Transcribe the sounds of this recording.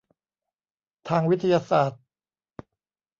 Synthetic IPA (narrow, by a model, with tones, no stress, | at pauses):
t̪ʰaː˧ŋwi˦˥t̪ʰːa˧jaː˧saː˨˩t̪̚